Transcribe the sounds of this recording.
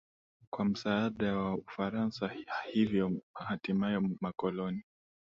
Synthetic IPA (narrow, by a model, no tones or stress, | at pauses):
kwam̩saːɗawaufaɾansahivjɔahatimajɔmakɔlɔni